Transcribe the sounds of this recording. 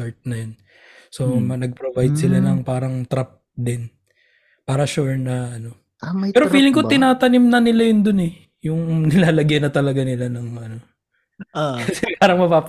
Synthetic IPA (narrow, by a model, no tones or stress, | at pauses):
aɹt̪̚nɐjon | so̞mɐnɐɡ̚pɾobajd̪sɪlanɐŋpaːɾɐŋt̪ɾap̚d̪ɪn | paːɾɐʃuɹnɐʔɐno̞ | amɐpɛːɾofiiːlɪŋkot̪ɪnaːt̪ɐnɪmnɐnɪlajʊnd̪onɛ | jʊŋnɪlaːlɐɡjɐnːɐt̪ɐlɐɡanɪlanɐŋʔɐno | akɐsɛpaːɾɐŋmɐpaːp